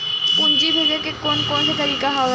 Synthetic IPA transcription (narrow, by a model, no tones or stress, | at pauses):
pʊnd͡ʒibʱeːɡekekonkõːnset̪ɐɾiːkaɦa